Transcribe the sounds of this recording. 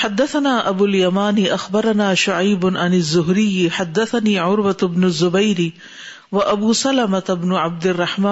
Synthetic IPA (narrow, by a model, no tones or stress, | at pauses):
ħad̪ːaθanaːʔabuːljamaːnɪʔaxbɑɾˤɑnaːʃʊʕajbʊʕanazːʊɦɾɪjːħad̪ːaθaniːʕʊɾwat̪ɪbnʊzːʊbajɾi | waʔabuːsalamat̪ɪbnʊʕab̚d̪ɪrˤːɑħmaː